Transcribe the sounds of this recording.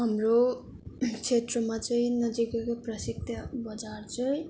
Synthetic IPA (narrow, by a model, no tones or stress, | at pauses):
ɦʌmro | t͡sʰet̪rʌmat͡sʌĩnʌd͡zikekoprʌsik̚t̪ʰjʌbʌd͡zart͡sʌĩ